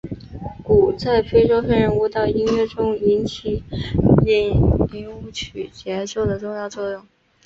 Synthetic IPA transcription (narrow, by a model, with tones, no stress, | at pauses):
ku˨˩t͡sa˥˩ɪpʰe˥ɪʂo˥ʊfɛ˥nɻə˧˥nu˥˧t̪ɑ˥˩ʊi˥nɥɛ˥˩ʈ͡ʂʊ˥ŋi˧˥nt͡ɕʰi˨˩ | i˥˩ni˧˥u˥˩t͡ɕʰy˨˩t͡ɕjɛ˧˥nɕjo˥˩ʊd̪ə˩ʈ͡ʂʊ˥˧ŋjɑ˥˧ʊt͡sʰwɔ˥˧jʊ˥˩ŋ